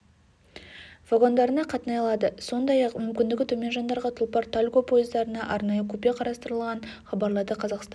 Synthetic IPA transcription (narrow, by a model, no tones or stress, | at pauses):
vaɡo̞nd̪ɑɾənɑqʰɑt̪ənɑjɑlˠɑd̪əso̞nd̪ɑjɑqmʏmkʲɪnd̪ɪɡʲɪt̪ʰɵmʲe̞nʒɑnd̪ɑɾʁɑt̪ʰʊlˠpɑɾt̪ʰalʲɡo̞pʰo̞jɪzd̪ɑɾənɑʔɑɾnɑjəkʲʰɵpe̞qʰɑɾɑst̪əɾəlˠʁɑnχɑbɑɾlˠɑd̪əqʰɑzɑqst̪